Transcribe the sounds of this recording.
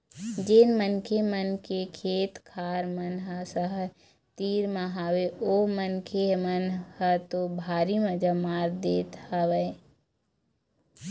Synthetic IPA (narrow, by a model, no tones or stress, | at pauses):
d͡ʒeːnmənkʰemənkekʰeːt̪kʰaːɾmənɦəsəɦə | t̪iːɾmãɦaːweoːmənkʰemənhət̪obʱaːɾiməd͡ʒamaːɾd̪eːt̪həʋəe